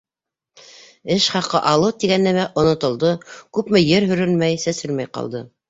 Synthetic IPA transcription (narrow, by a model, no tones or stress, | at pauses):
ɘʃχɑqɤʔɑlˠɤwt̪iɡænːæmæʔŏnŏt̪ŏlˠd̪ɤkʉpmɘjɘɾɦɵ̆ɾɘlmæjsæsɘlmæjqɑ̰lˠd̪ɤ